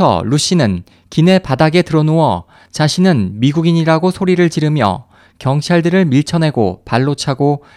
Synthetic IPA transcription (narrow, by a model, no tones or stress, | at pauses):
ʌ̰ɾuɕ͈inɯn | kine̞padaɡe̞tɯɾʌnuwʌ | t͡ɕaɕʰinɯnmiɡuɡiɲiɾaɡosʰoɾiɾɯɭt͡ɕiɾɯmjʌ̰ | kjʌŋt͡ɕʰaɭdɯɾɯɭmiɭt͡ɕʰʌnɦe̞ɡo̰paɭːot͡ɕʰaɡo